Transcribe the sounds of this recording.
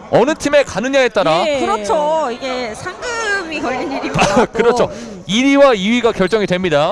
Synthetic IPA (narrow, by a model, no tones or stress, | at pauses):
ʌnɯtʰime̞kanɯɲaɦet̚t͈aɾakɯɾʌt͡ɕʰoiɡe̞sʰaŋɡiiɯmikʌɭɯniɾikɯɾʌt͡ɕʰo | iɾiwaiɥiɡakjʌɭt͡ɕ͈ʌŋidwe̞mɲida